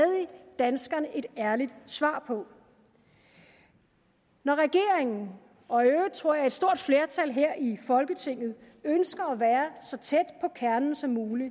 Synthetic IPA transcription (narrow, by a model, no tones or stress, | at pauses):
ɛðˠid̥ænsɡ̥ɐnəʔe̝d̥æɐlid̥sʋɑ̰̈ːpʰɒ̽ | nɒʁɛɡ̥e̝ɐeŋn̩ | ɒ̽øt͡sʰʁo̰ɐ̰jɑ̈e̝d̥sd̥o̝ɐ̰d̥fle̝ɐt͡sʰælɦeɐ̰ʔifɒ̽lɡ̥ət͡sʰe̝ŋ̰ð̞̩ˠ | ønsɡ̥ɐːʋæːɐsɒ̽t͡sʰed̥pʰɒ̽kʰæɐnn̩sɒ̽mːuːli